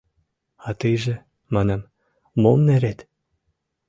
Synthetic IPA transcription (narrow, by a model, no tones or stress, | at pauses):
ɑt̪ɯjʒĕ | mɑnɑm | momneɾet̪